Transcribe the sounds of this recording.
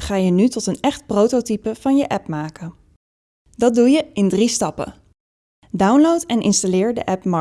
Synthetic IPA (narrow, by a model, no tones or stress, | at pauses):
χaːjənytɔtənɛχt̚prowtotipəv̥ɑnjəʔɛpmaːkə | dɑd̚dujəɪndristɑpə̰ | dawnlowtɛnʔɪnstalɪːɹdə̰ʔɛpmɑ